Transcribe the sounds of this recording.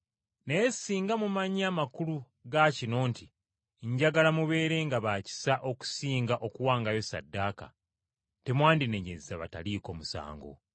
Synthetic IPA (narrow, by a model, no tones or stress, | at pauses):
nejesiːŋɡamumaɲaːmakulu | ɡacino̞ːnti | ɲɟaɡalamuβe̞ːɾe̞ŋɡaβaːci̥saʔo̞ku̥siːŋɡaʔo̞kuwaːŋɡajo̞sa̰dːaːka̰ | te̞mwaːndine̞ɲezaβa̰taliːko̞musa̰ːŋɡo̞̰